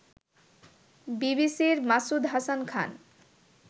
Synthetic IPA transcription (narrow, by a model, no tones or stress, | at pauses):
bibisiɾmasud̪ɦasankʰa̰n